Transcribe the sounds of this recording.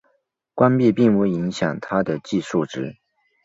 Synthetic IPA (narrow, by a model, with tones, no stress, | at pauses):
kwa˥npi˥˧pi˥˧ŋwe˥˩ɪi˧˥ŋɕjɑ˨˩ŋt̪ʰa˥d̪ə˨t͡ɕi˥˧ʂu˥˩ʈ͡ʂɻ̩˥